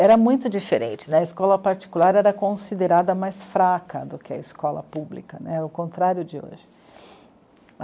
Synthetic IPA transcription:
ɛɾɐmũj̃t̪ʊd͡ʒifeɾẽnt͡ʃɪnɛ̃ɐiskɔlɐpaɾt͡ʃi̥kulaɾɛɾɐkõsid̪eɾad̪ɐmajsfɾakʰɐ̰d̪ʊkɪɐ̰iskɔlɐ̰publikɐnɛʊkõnt̪ɾaɾjʊd͡ʒɪo̰ʒɪ̥

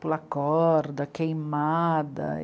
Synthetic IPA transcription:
pʊlɐkɔɾd̪ɐkejmad̪ɐ̰

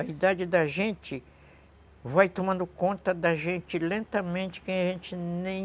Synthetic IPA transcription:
ɐid̪ad͡ʒɪd̪ɐʒẽt͡ʃɪ | vajt̪omɐ̃nd̪ʊkõnt̪ɐd̪ɐʒẽnt͡ʃɪlẽnt̪ɐmẽnt͡ʃɪ̥kẽj̃ɐʒẽnt͡ʃɪnẽj̃

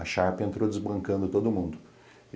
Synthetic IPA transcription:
ɐʃapɪẽnt̪ɾowd̪ʲɪzbɐ̃ŋkɐ̃nd̪ʊt̪od̪ʊmũnd̪ʊ

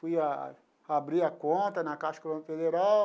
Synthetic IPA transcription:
fuja̰ | abɾiɐkõnt̪ɐnɐkaʃkolɐ̃nfed̪eɾaw

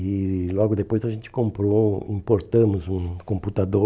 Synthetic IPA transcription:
ilwaɡud̪epojsaʒent̪ʲe̥kõmpɾoĩmport̪əmuzũnkõmput̪ad̪o

